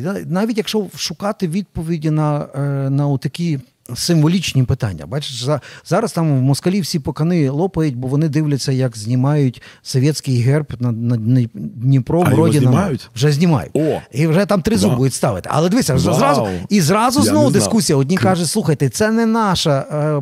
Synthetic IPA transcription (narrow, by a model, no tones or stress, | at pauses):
nɑʋʲitʲjɐkʃt͡ʃɔʃʊkɑt̪ɪʋʲid̪̚pɔʋʲidʲinɐnɐʊt̪ɐkʲi | sɪmʋɔlʲit͡ʃnʲipɪt̪ɑ̰nʲːɐ̰bɑt͡ʃɪ̥ʃzzɑɾɐst̪ɑmʋmɔskɐlʲiwsʲipɔkɐnɪlˠɔpɐjʊtʲbɔʋɔnɪd̪ɪʋlʲɐt͡sʲːɐjɐkzʲnʲɪmɑjʊtʲsɔʋʲjɛt̪ʲsʲkɪjɦɛrpnɐnɐnʲdʲnʲipɾɔɾɔdʲɪnɐʋʒɛzʲnʲimɑ̰jʊ̰tiwʒɛt̪ɑmt̪ɾɪzubud̪ʊtʲst̪ɑʋɪt̪ɪ̥ʔɐ̰lˠɛd̪ɪʋɪsʲɐzɾɑzʊizrɑzʊznɔʋʊd̪ɪsskusʲijɐɔdʲnʲikɑʒʊtʲslˠuxɐjt̪ɛt̪sɛnɛnɑʃɐ